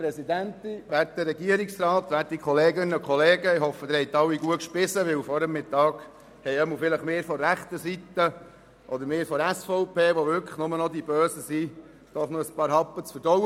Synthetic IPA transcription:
pɾɛsid̪ænt̪iʋæɾtːəɾːɛɡiəɾiksɾɑːt̪ʋæɾtːikʰχɔleːɡɪnəkʰχɔleːɡəɪɦɔfəd̪ɪɾhɛɪt̪ːɑwːiɡuətʃpɪsəʋɪwfɔɾəmːɪt̪ɑːɡ | hɛɪɛməlfɪləχmeːɾfɔɾæχt̪əsit̪ːə | ʔɔd̪əɾmeːɾfɔɾæsfɔʊpʰeːʋɔʋʏɾkʰə̥χnʊmənɔd̪ibøːsəsi | d̥̪ɔχnoəspɑːɾɦɑpːət͡sfəɾdɔw

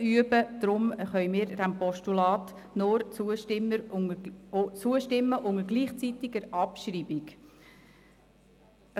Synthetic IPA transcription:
yəbəd̥̪ɾʊmχœʏmiːɾd̥æmpɔʃtulɑːt | nʊɾt͡suəʃtɪmːəɾ | t͡suəʃtɪmːəʔʊŋəɡliːχt͡sit̪ɪɡəɾɑpʃriːbɪɡ

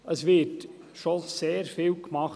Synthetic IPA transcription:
əsʋɪɾt | ʃoseːɾfiːlkmɑχ

